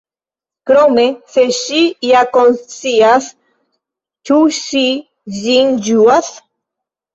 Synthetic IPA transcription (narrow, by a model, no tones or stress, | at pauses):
kɾomeseʃijakonsias | tuʃi | zind͡ʒuas